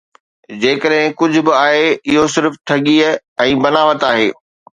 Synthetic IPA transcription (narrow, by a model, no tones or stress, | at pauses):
d͡ʑeːkəɗɦɪ̃kʊd͡ʑʱʊ̆bɪaːɦeɪɦosɪɾfʈʰɐɠiːə | ɛ̃ːbɐnaːʋət̪aːɦeː